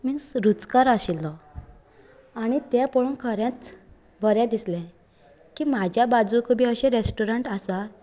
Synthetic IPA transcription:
mĩsɾut͡skaɾaɕilːɔ | aɽ̃it̪japɔɭunkʰəɾãt͡s | bʱəɾjãd̪islɛ̃ | kimad͡ʑʱjabad͡zukʰubʱiːəɕẽɾesʈuɾəɳʈasa

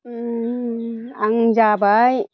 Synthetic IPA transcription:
aŋd͡ʒabaj

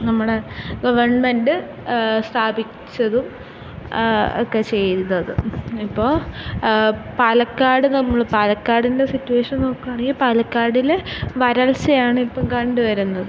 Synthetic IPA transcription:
nɐmːuɽe̞ɡɐʋɐrɳme̞ndɨ | st̪ʰaːbit͡ɕːɐðum | o̰kːe̞t͡ɕe̞jnːɐðɨ̰ipːo̞ː | paːlɐkːaːɽɨnɐmːɐɭpaːlɐkːaːɽinde̞sitːuʋeːʂɐnno̞ːkːuaːɳeɡipaːlɐkːaːɽilʋɐɾɐɭsɐjaːɳɨipːɐmkɐɳɖɨʋɐɾunːɐðɨ

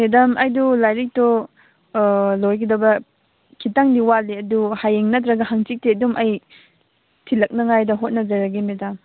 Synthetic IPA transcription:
medɐmɐjdulajɾik̚tɔ | lojkidɐbɐ | kʰitaŋdiwaleɐduhajeŋnɐtɾɐɡɐɦaŋt͡ʃik̚teɐdumʔɐj | tʰilɐk̚nɐŋajdɐɦot̚nɐzɐɾɐɡimedɐm

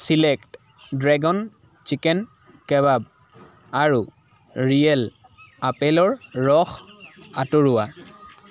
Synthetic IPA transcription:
silɛkt | dɹɛɡɔn | t͡ʃikɛn | kɛβab | aɹu | ɹijɛl | apɛlɔɹɹɔxatoɹʊwa

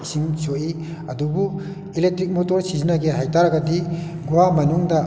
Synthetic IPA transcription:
siŋsoʔi | ɐdubu | ilek̚tɾik̚motoɾsizinaɡeɦajtaɾɐɡɐdiɡuwamɐnuŋdɐ

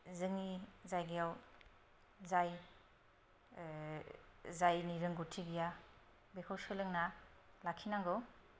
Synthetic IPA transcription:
zɯŋizajɡijaw | zaj | zajniɾɯŋɡutʰibija | bekʰawsɯlɯŋnalakʰinaŋɡɯw

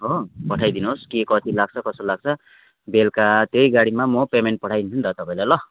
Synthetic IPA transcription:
ɦopʌʈʰajd̪inoɦoskekʌt̪ʰilaɡ̚t͡sʰʌkʌsolaɡ̚t͡sʰʌ | belkat̪ejɡaɽimamʌpemenʈ̚pʌʈʰajʰunt̪ʌt̪ʌpãĩlajlʌ

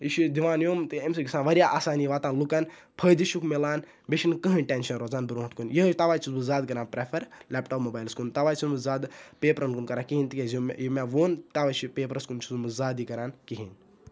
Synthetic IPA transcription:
iʃid̪iʋaːnjoːmt̪ɨems̬ɨɡʲisaːnʋɐɾʲjaːʔaːsaːniːʋaːt̪aːnlukɐn | pʰəjd̪iʃukʰmelaːn | beʃʰinkɐɦɐ̃nʈʲeːnʃɐnɾoːzaːnbɨɾoːɦt̪kunjiɦt̪aʋaːjt͡ʃʰuzmɨzaːd̪̚kɐɾaːnpɾepʰɐɾlʲɛːpʈoːpmoːbaːjlskunt̪ɐʋaːjt͡ʃʰunmɨzaːd̪peːpɾɐnkunkɐɾaːkiɦint̪ikʲezumjimʲaʋoːnt̪aʋaːt͡ʃʰipeːpɾɐskunt͡ʃʰuzmɨzaːd̪ikɐɾaːnkiɦin

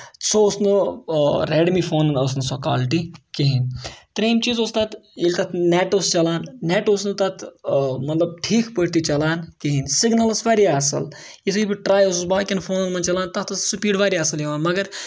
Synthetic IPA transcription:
t͡sʰosnɨ | ɾeːɖmifoːnɐnɐsnɨsoka̰ːlʈikiɦint̪ɐɾeːmt͡ʃiːzoːst̪ɐt̪ilt̪ɐt̪neːʈoːst͡ʃɐlaːnːeːʈoːsnɨt̪ɐt̪ʰmɐt̪lɐb̚ʈʰiːkʰpəʈt̪it͡ʃɐlaːnkiɦinsɪɡnɐlɐsʋaːɾiaːsɐ̰l | itsʰibiʈɾaːjossbaːkʲinfʰoːnɐnmɐnt͡ʃɐlaːnt̪ɐt̪ɐssupiːɖʋaːɾiɐsɐljiʋaːnmɐɡɐɾ

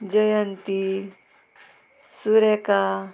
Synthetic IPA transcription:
d͡ʒəjənt̪i | suɾeka

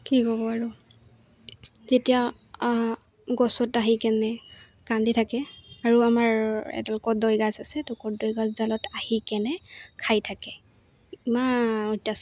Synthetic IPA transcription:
kikɔbɔaɹu | zetija | ɡɔsɔtaɦikɛnɛ | kanditʰakɛaɹuamaɹɛ̰tɛlɔkɔdɔjɡazasɛtɔkɔdɔjɡazzalɔtahikɛnɛkʰajtʰakɛ | imaɔtːas

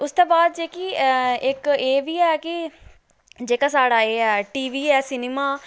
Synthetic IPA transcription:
ʊst̪õːbaːd̪̚d͡ʒeːkiːɪkeːʋiːɛːkɪ | d͡ʒeːkaːsaːɽaːeːɛːʈiːʋiːɛːsɪneːmaː

